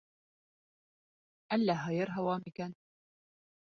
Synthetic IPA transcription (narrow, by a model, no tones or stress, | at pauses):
ælːæɦɤ̆jɤɾɦæwɑmikæn